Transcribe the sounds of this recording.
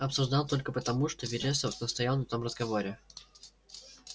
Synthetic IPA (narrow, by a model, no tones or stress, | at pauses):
ɐpsʊʐd̪ɑlˠt̪o̞lʲkəpət̪ɐmuʂt̪ovʲɪɾʲesənəst̪ɐjalˠnɐt̪o̞mrəzɡɐvo̞ɾʲɪ